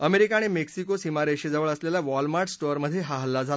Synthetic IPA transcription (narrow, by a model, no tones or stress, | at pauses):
əmeɾikaɽ̃emeksikosimaɾeɕed͡zəʋəɭəsljalaʋɔlmaɾʈsʈoɾməd̪ʱːjeɦaɦəlːad͡zʱal